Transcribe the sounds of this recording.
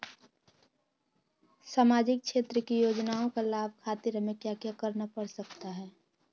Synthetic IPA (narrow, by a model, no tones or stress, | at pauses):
saːmaːd͡ʒɪk̚kʃʰeːt̪ɾəkijoːd͡ʒnaːõkalaːb̚ʱkʰaːt̪ɪɾəmẽkjaːkjakəɾnapəɽsɐkt̪aɦɛː